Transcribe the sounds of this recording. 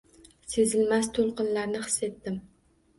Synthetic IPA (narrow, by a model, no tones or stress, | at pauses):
se̞zɪlmast̪ʰolˠqɨnlaɾnɪχɨ̥sːe̞t̪ːɪm